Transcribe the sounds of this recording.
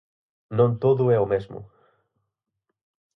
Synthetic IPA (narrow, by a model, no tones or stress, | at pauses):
nõnt̪oðʊɛʊmezmʊ̰